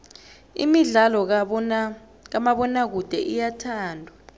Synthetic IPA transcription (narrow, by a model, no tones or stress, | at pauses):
ḭmiɮalɔ | k̬amaɓɔnak̬ud̥ʱɛʔijatʰaːndʱwa